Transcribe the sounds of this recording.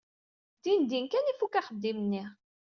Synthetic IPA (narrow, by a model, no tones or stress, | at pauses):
d̪ind̪inkænifukaχəd̪ːimənːiʁ